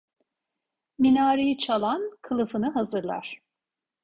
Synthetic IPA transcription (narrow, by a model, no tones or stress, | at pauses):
minaːɾejit͡ʃʰalˠankʰɯlˠɯfɯnɯɦazɯɾlˠa̰ɾ̥